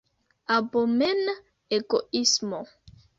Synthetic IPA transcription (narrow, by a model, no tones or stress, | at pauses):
abomen | eɡoismo